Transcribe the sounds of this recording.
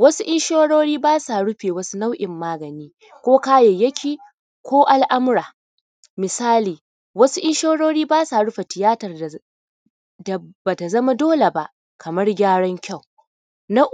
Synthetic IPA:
wɐ˦su˦ʔɪ˦ʃoː˦ɽoː˦ɽiː˦baː˦sa˨ɽʊ˦ɸeː˨wɐ˦su˦na˦wʔɪ˨mːaː˦ɡɐ˨niː˦ | kʷoː˦kaː˦je˨jɐ˦kʲʰiː˨ | kʷoː˦ʔa˨lʔa˦m˦ɾaː˨ | mɪ˨saː˦liː˨ | wɐ˦su˦ʔɪ˦ʃoː˦ɽoː˦ɽiː˦baː˦saː˨ɽʊ˦ɸa˨tɪ˨jaː˦tɐ˨r | da˨ba˨ta˨zɐ˦ma˦doː˦le˨ba˦ʔ | kʰɐ˨mɐ˦rɡʲaː˦ɽɔ˦ŋkʲa˦˨w | na˦

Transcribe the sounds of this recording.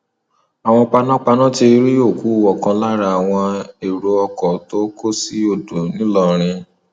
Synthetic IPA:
a˨w̃ɔ̃˧k͡pa˧nã˦k͡pa˧nã˦ti˧ɾi˦jo˦˨ku˨˦˨wɔ˨kã˧la˦ɾa˧a˨w̃ɔ̃˧e˨ɾo˧ɔ˧kɔ˨to˦ko˦si˦o˧˨do˨nĩ˨˦lɔ˦˨ɾ̃ĩ˧

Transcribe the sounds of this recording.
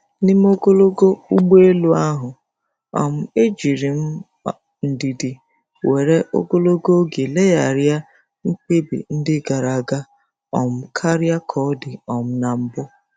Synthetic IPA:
nɪ˦m˦o˦ɡo˦lo˦ɡo˦u˦ɡ͡be˦lu˦a˦ɦʊ˨ | ɔ̰˨m̩˦e˦d͡ʒi˨ɾi˨m̩˦ | n̩˨di˨di˨ | we˨ɾe˦ʔo̰˦ɡo˦lo˦ɡo˦ɡe˨le˦ja˨ɾja˦ | ŋ̩˦k͡pe˦bḭ˨n̩˦dɪ˦ɡa˨ɾa˨ɡa˦ | ɔ̰˨m̩˦kʰa˦ɾja˦kʰɔ˦dɪ˨ɔ˨m̩˦na˨m̩˦bʊ˦

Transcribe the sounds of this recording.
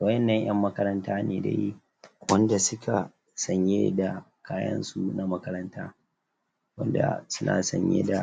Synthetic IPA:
wɐ˦jɛ˨nːɐ˦˨ɲʔɐ˦mːɐ˦kɐ˦ɾɐ˦ntaː˦neː˨dḛ˦ji˦ | wɐ˦nda˨sʊ˦kʰa˨ | sɐ˨ɲjeː˦da˨kaː˦jɐ̰˦nsu˦˨na˦mɐ˦kɐ˦ɾɐ˦ntaː˦ | wɐ˦nda̰˨sʊ˦nʔa̰ː˨sɐ˨ɲjḛː˦da˨

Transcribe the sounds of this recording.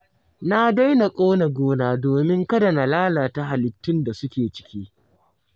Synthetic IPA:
na˦da˦jna˨kʼoː˦na˨ɡʷoː˦naː˦doː˨mɪ˦ŋkɐ˦da˨na˨laː˦laː˨ta˦ɦa˨lɪ˨tːɪ˦nda˨sʊ˦kʲeː˨t͡ʃɪ̥˦kʲiː˦

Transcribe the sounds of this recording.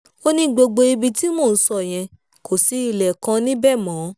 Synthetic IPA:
o˦nĩ˦ɡ͡bo˧ɡ͡bo˧i˧bi˧ti˦moː˦˨n̩˦sɔ˧˨j̃ɛ̃˧ | kʰo˨si˨˧˦i˧˨lɛ˨kã˧nĩ˦bɛ˦˨mɔ̃ː˨˦

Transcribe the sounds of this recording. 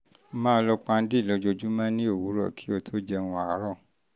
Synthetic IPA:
mãː˦lɔ˧k͡pa˧n̩˦di˦˨lɔ˨˧d͡ʒo˧d͡ʒu˦mã˦nĩ˦o˦˨wu˨˦ɾɔ˦˨kʰi̥˨˦o˧tʰo˦d͡ʒɛ˧wũ˧a˨˦ɾɔ˦˨

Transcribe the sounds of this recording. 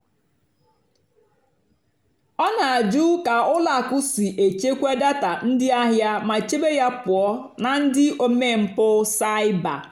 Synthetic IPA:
ɔ˦na˨a˨d͡ʒu˦ka˨ʊ˦la˨kʊ˦si˨ʔe˨t͡ʃe˦kʷe˦da˦ta˨n̩˦dɪ˦a˦ɦja˦ma˨t͡ʃe˦be˦ja˦pʊ˨ɔ˦ | na˨n̩˦dɪ˦o˦me˦˨m̩˨pʊ˦sa˦ɪ˦ba̰˨

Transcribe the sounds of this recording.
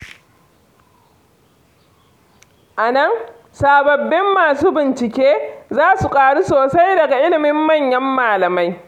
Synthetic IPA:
ʔa˨nɐ˦n | saː˨bɐ˨bːɪ˦mːaː˨suː˦bɪ˨nt͡ʃɪ˨kʲeː˦zaː˦su˨kʼaː˨ɽu˦soː˨sa˦jdɐ˨ɡa˨ʔɪ˦lɪ˨mɪ˦mːɐ˦˨ɲjɐ˦mːaː˨lɐ˨ma˦j

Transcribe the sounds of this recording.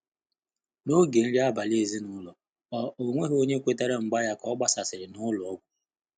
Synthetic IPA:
no˦ɡe˨n̩˦ɾi˦a˦ba˨le˦˨zi˦nʊ˦lɔ˨ | ɔ˦o˨ŋʷe˦ɦo˦ɲe˦kʷe˦te˦ɾe˦ŋ͡m̩˨ɡ͡ba˦ja˦kɔ˦ɡ͡ba˦sa˨sɪ˨ɾɪ˨nʊ˦lɔ˨ɔ˦ɡʷu˦

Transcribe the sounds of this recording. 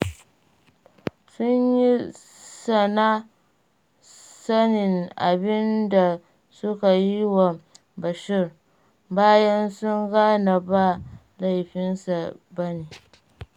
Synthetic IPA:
sʊ˦ɲji˦ | sa˨na˦ | sa˦nɪ˨ŋʔa̰˨bɪ˦nda˨ | sʊ˦ka˨ji˦wa˨ | ba˨ʃɪ˦ɾ | baː˦jɐ˦nsʊ˦ŋɡaː˦na˨ba˦ | la˦˨jɸɪ˦nsa˨bɐ˦ni˨

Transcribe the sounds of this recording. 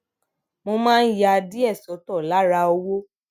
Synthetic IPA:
mo˧mãː˦˧n̩˦ja˧di˦ɛ˦˨sɔ˨˦tɔ˦˨la˨˦ɾa˧o˧wo˦

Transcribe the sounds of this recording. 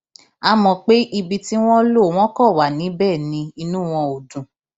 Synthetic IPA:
a˧mɔ̃˨k͡pe˦ʔi˧bi˧ti˦w̃ɔ̃˦lo˦˨w̃ɔ̃˦kɔ˦˨wa˨nĩ˨˦bɛ˦˨nĩ˧˦i˧nũ˦˨w̃ɔ̃˧o˨dũ˨

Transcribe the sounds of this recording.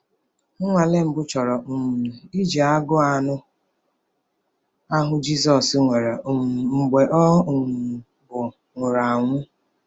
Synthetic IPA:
ŋʊ˦ŋʷa˨le˦m̩˨bʊ˦t͡ʃɔ˨ɾɔ˨m̩˨i˦d͡ʒi˨a˦ɡʊ˦a˨nʊ˦ | a˦ɦʊ˦d͡ʒi˦sɔ˨sŋʷe˨ɾa˨m̩˨ɡ͡be˨ʔɔ˦˨ | bʊ˨ | ŋʷʊ˨ɾa˨ŋʷʊ˦

